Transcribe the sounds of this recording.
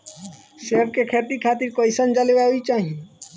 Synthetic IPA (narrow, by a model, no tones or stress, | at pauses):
sep̚kekʰeʈikʰat̪iɾkəjsənd͡ʒalebaɦoit͡ʃaɦĩ